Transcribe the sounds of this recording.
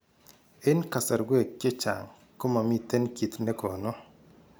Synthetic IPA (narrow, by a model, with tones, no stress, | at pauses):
ɪ˦nka˨sa˨ɾɡwe˦˨kːe˦t͡ʃa̰˨ŋ | ko˦ma˨mi˦t̪e˦nki˨t̪nɛ˦kɔ˨nɔ˦